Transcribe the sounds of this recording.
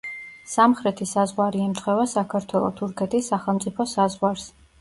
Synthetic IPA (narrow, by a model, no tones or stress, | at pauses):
samχɾɛt̪ʰisazʁwaɾiɛmt̪ʰχwɛvasakʰaɾt̪ʰwɛlˠɔ̰t̪ʰuɾkʰɛt̪ʰisːaχɛlˠmtsʼipʰɔsazʁwaɾs